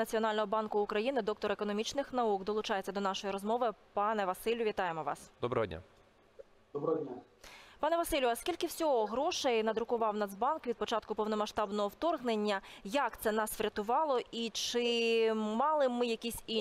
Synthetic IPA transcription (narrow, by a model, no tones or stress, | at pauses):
nɐt͡sʲiɔnɑlʲnɔɦɔbɑnkʊːkɾɐjinɪd̪ɔkt̪ɔɾekɔnɔmʲit͡ʃnɪxnɐukd̪ɔlˠʊt͡ʃɑjet͡sʲːɐd̪ɔnɑʃɔjiɾɔzmɔʋɪpɑnɛʋɐsɪlʲːʊʋʲit̪ɑjemɔʋɑ̰sd̪̥ɔbɾɛɦɔdʲnʲa̰ | d̪ɔbɾɐɦɔdʲnʲa | pɑnɛʋɐsɪlʲjʊɐskʲilʲkɪwsʲɔɦɔɦɾɔʃɛjnɐd̪ɾʊkʊʋɑwnɐzbɑnkʋʲid̪̚pɔt͡ʃɑt̪kʊpɔwnɔmɐʃt̪ɑbnɔɦɔwt̪ɔrɦnenʲːɐjɐkt̪sɛnɑsʋʲɾʲɐt̪ʊʋɑlˠɔit͡ʃɪmɑlˠɪmɪjɐkʲisʲi